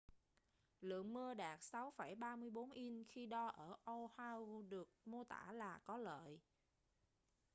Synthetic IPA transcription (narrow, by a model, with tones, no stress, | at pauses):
lɨ̰˧˨əŋmɨ˧əɗaː˨˩k̚sa˨˦wfa˧˩jɓaː˧mɨ˧əjɓo˨˦nʔi˧nxi˧ɗɔ˧ʔəː˧˩ʔo˧haː˧wɗɨ˨˩ək̚mo˧t̪a̰ː˧˩laː˨˩kɔ˨˦lə̰ː˧˨j